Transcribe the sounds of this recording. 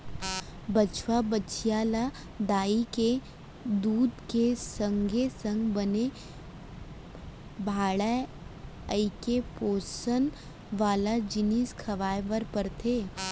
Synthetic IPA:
bət͡ʃʰwabət͡ʃʰijaːla | d̪aːike | d̪uːd̪kesə̃ŋɡesə̃ŋɡbəne | bʱaːɽa | əikepoːsən | ʋaːlad͡ʒɪniskʰɐʋaːjʋəɾpəɾt̪ʰeː

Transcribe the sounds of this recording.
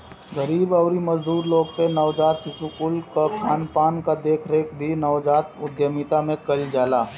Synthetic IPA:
ɡəɾiːbɐʊɾimɐzd̪uːɾloːɡpenɐʋd͡ʒaːt̪sɪsukʊlkakʰaːnpaːnkad̪eːkʰɾeːkbʱinɐʋd͡ʒaːt̪ʊd̪jəmit̪amẽkɐld͡ʒaːlaː

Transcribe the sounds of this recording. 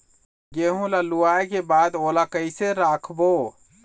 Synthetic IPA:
ɡeɦũlaluaekebaːd̪olakəɪseɾaːkʰbo

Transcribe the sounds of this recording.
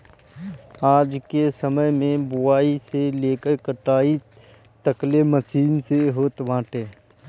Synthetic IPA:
aːd͡ʒkesəməjmẽbʊwaːiseleːkəɾkəʈaːi | t̪əkleməsiːnseɦoːt̪ʋãːʈeː

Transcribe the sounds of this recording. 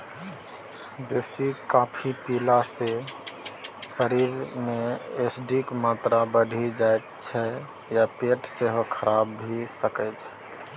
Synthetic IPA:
besikapʰipilase | səɾiɾmeesɖikmat̪ɾabəɖʱid͡ʒaet̪̚t͡ʃʰɛ | japeʈseɦokʰəɾabːʱisəkət͡ʃʰ

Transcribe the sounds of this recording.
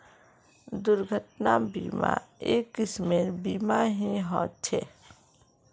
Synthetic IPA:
d̪ʊɾɡʱəʈnabḭːma̰eːkːɪsmeɾbiːmaɦĩɦɔ̃ːt͡ʃʰe

